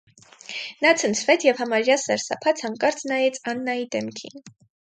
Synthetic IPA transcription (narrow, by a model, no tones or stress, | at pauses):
nɑt͡sʰənt͡sʰvɛt̪ʰjɛvhɑmɑɾjɑsɛɾsɑ̰pʰɑt͡sʰɑŋkʼɑɾt͡snɑjɛt͡sʰɑnːɑjid̪ɛmkʰḭn